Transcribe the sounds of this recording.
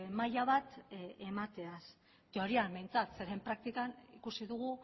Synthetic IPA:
majaβat̪e̞mat̪e̞as | t̪eo̞ɾiambejnt͡sat̪se̞ɾe̞mpɾak̚t̪ikanḭkusiðuɣ̞u

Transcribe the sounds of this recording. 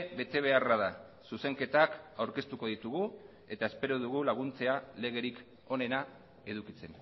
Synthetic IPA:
βe̞t̪e̞β̞e̞araðasuse̞ŋke̞t̪akawɾke̞st̪uko̞ðit̪uɣ̞u | e̞t̪ae̞spe̞ɾoðuɣ̞ulaɣ̞unt͡se̞ale̞ɣ̞e̞ɾik | o̞ne̞na | e̞ðukit͡se̞n

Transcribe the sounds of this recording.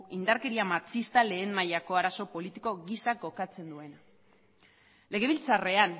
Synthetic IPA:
ind̪aɾke̞ɾiamat͡sist̪ale̞ːmmajako̞aɾaso̞po̞lit̪iko̞ɣisak̚ɡo̞kat͡se̞nd̪ue̞na | le̞ɣe̞βilt͡sare̞an

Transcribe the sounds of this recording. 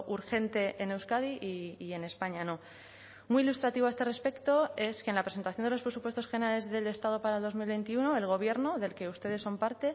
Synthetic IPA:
ʔuɾxe̞nt̪e̞ʔene̞wskaðiʔiːe̞ne̞spaɲano̞ | miilust̪ɾat̪iβoae̞st̪e̞re̞spe̞kt̪o̞e̞skenlapɾes̬ent̪aθjo̞nd̪eospɾe̞supwest̪o̞sxe̞nale̞zðe̞le̞st̪að̞o̞paɾaelðozmilβe̞jnt̪iuno̞e̞lɣ̞o̞β̞je̞ɾno̞ðe̞lke̞ust̪e̞ð̞e̞sːo̞mpaɾt̪e̞

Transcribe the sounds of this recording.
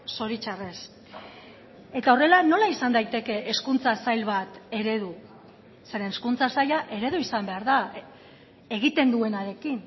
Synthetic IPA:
so̞ɾit͡ʃare̞s | e̞t̪ao̞re̞lano̞laisand̪ajt̪e̞ke̞ʔeskunt͡sasajlβat̪e̞ɾe̞ðu | se̞ɾeneskunt͡sasajaʔe̞ɾe̞ðuisambe̞aɾða | e̞ɣ̞it̪e̞nd̪ue̞naɾe̞kin

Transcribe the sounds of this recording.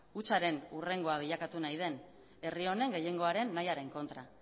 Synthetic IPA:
ut͡saɾe̞nure̞ŋɡo̞aβ̞iʎakat̪unajð̞e̞n | e̞rio̞ne̞ŋɡe̞je̞ŋɡo̞aɾe̞nːajaɾe̞ŋko̞nt̪ɾa

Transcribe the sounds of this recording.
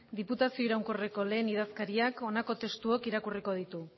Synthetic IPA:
d̪iput̪asio̞iɾawŋkoreko̞le̞ːniðaskaɾiako̞nako̞t̪e̞st̪uokiɾakuriko̞ð̞it̪u

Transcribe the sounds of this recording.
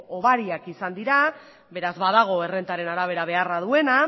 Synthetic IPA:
oβaɾiakisand̪iɾa | be̞ɾazβaðaɣ̞o̞e̞re̞nt̪aɾe̞naɾaβ̞e̞ɾaβ̞e̞araðue̞na

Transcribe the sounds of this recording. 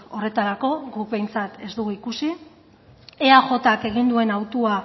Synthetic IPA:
o̞re̞t̪aɾako̞ɡuk̚βe̞jnt͡sat̪e̞zd̪uɣuikusi | eaxo̞t̪ake̞ɣ̞ind̪ue̞nawt̪ua

